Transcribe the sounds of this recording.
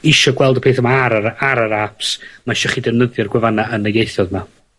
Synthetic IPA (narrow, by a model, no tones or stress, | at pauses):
ɪʃɔɡwɛlˠdəpʰeːθamaaɾaaɾaɾapsmaʃɔχidɛvnəðjɔrɡwɛvanaənəɡejθɔðma